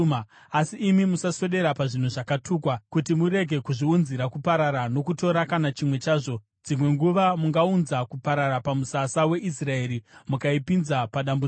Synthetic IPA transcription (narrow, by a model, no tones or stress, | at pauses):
asiːmimusaso̞ɗe̞ɾapaʐin̤uʐakatʰuːkwakutimuɾe̞ɡʱe̞kuʐiunziɾakupaɾaɾano̞kuto̞ɾakanat͡ʃimwe̞t͡ʃaːʐo̞ | d͡zimwe̞ŋɡuʋamuŋɡaunzakupaɾaɾapamusasawe̞ʔis̬rae̞ːɾimukaipinzapaɗambu